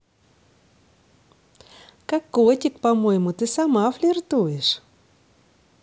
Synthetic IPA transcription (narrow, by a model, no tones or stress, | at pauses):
kakːotʲɪkpɐmojɪmʊt̪ɨsamaflʲɪrt̪ujɪʂ